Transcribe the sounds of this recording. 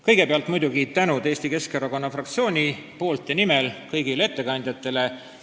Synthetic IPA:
kɤjɡ̥e̞peɑlt̪ˑmujd̪uɡit̪ænud̪e̞ːsʲt̪ike̞skɑɾɑko̞nːɑfrɑkt̪sio̞ːnʲipo̞ːlt̪jɑnimelkɤjɡ̥ilee̞t̪ːe̞kɑnʲd̪̥jɑt̪ːˑe̞le̞

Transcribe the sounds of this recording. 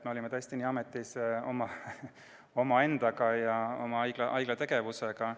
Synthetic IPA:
t̪meolimet̪ɤest̪iniːɑme̞t̪ːˑiso̞mɑ | o̞mɑe̞nd̪̥ɑɡɑjɑo̞̰mɑɑjɡ̥lɑʔɑjɡ̥lɑt̪e̞ɡ̥e̞vuse̞ɡ̥ɑ

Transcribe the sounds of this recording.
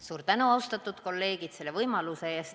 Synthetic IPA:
suːɾt̪ænuɑwst̪ɑt̪ːˑud̪ko̞lːe̞ːɡ̥it̪se̞lːevɤjmɑluse̞eːst̪

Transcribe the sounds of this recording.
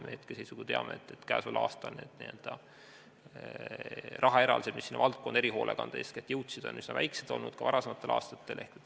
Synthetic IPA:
meːt̪kesesuɡut̪eɑmḛet̪ːˑet̪ːkæːsvɑlʔɑ̰ːst̪ɑlneːd̪̥nield̪̥ɑ | rʔɑɦɑe̞ɾɑ̰lised̪misːinːɑ̰vɑlt̪̚kod̪̥eɾiɦo̞ːlʔḛkɑ̰nd̪̥ɑesket̪jɤwt̪sid̪̥o̞̰nysnɑvæjksed̪̥olnud̪̥kɑvɑɾɑse̞mɑt̪ˑːe̞lɑ̰ːst̪ɑt̪ːe̞lʔe̞hket̪ː

